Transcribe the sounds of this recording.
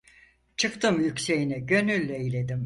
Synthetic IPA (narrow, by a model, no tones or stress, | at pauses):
t͡ʃʰɯkt̪ɯmjycse̞jinɛɟø̞nylʲːɛilʲe̞d̪im